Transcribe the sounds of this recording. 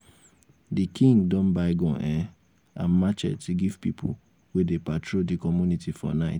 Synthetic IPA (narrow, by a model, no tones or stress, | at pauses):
dikʰĩŋɡdɔ̃nbaɪɡɔ̃ʔɛ | ã̰nmat͡ʃɛ̰tiɡiv̥pḭpʰṵ | wedepatʰɹodikɔmjunitifɔ̰naɪt